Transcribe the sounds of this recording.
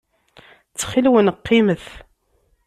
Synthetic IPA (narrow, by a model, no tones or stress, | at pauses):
t͡sːχilwənqːiməθ